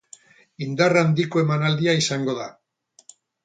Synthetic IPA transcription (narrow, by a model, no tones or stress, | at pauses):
ind̪arand̪ikoe̞manald̪iaisaŋɡo̞ða